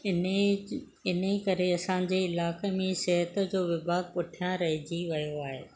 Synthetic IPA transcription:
ɪnekɐɾeɐsãːɲ̆d͡ʑeɪlaːkemẽsɛɦət̪ə̆d͡ʑoːʋɪbʱaːɡ̚pʊʈʰijãɾɐɦid͡ʑiʋɐjoaːɦḛː

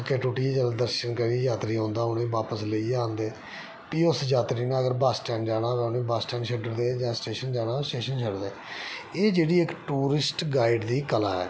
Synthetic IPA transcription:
keːʈuːʈiːd͡ʒəlad̪əɾʃənkəɾiːd͡ʒaːt̪ɾiːõːnd̪aːʊnẽːʋaːpəsləiːãːnd̪eː | piːʊsd͡ʒaːt̪ɾiːnãːəɡəɾbasʈɛːnd͡ʒaːɽ̃aːʋɛːʊnẽːbasʈɛːnʃʰəɖəɾd̪eːd͡ʒãːsʈeːʃənd͡ʒaːɽaːsʈeːʃənt͡ʃʰəɖd̪eːeːd͡ʒeːɽiːɪkʈuːɾɪsʈɡaːɪɖd̪iːkəla̰ːɛ̰ː

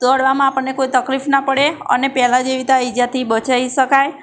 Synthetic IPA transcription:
t̪ɔɽʋamãːpəɳnekojt̪əklifnapəɽeə̰nepɛɦlad͡ʒeʋit̪aid͡ʒat̪ibət͡ʃaiʃəkaj

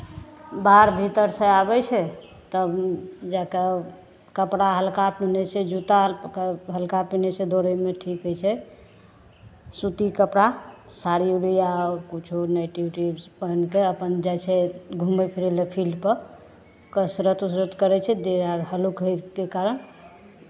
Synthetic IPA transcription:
baɾbʱit̪əɾsə̃abɛt͡ʃʰɛ | t̪əbd͡ʒaka | kəpɽaɦəlkapinɛsed͡ʒut̪aɦəlkapinɛsʰed̪oɾəmeʈʰikɦəjt͡ʃʰɛ | sut̪ikəpɽasaɾijuɽijakut͡ʃʰunajʈiʈibspənkeəpənd͡ʒajseɡʱumbɛpʰiɾɛlepʰilpə | kəsɾət̪usɾət̪kəɾɛt͡ʃʰɛd̪eaɾɦəlukɦekekaɾən

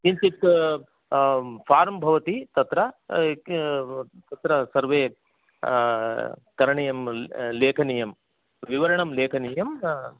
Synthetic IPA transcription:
k̪int̪it̪ | pʰaːɾmbʱɐʋɐt̪it̪ɐt̪ɾɐ | t̪ɐt̪ɾɐsɐɾʋeː | kɐɾɐɳɐjɐmleːkʰɐnijɐm | ʋiʋɐɾɐɳɐmleːkʰɐnijɐm

